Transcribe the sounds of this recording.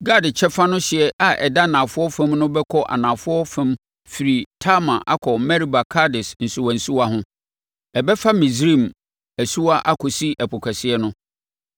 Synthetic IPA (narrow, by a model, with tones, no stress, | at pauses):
ɡa˦dɪ˨t͡ɕʰɛ˦fa˦nʊ̃˦ɕɪ˨ɛ˦ʔa˨ʔɛ̰˨da˦˨nãː˨fʊ˦ɔ˦fɛ̃˦mnʊ̃˦bɛ˦kʰɔ˦ʔa̰˨nãː˨fʊ˦ɔ˦fɛ̃˦m | fi˨ɾi˨tʰa˦mã˨ʔa̰˦kʰɔ˨mɛ˦ɾi˦ba˨kʰa˦dɪ˨sn̩˨sʊ˨wã˨n̩˨su˦wa˦ɦʊ̃˦ | ɛ˨bɛ˦fa˦mĩ˨s̬ɾĩ˦˨m | æ˨su˦wa˦ʔa˦kʰɔ˨si˦ʔæ˨pʰɔ˨kʰæ˨sɪ˦ɛ˦nʊ̃˦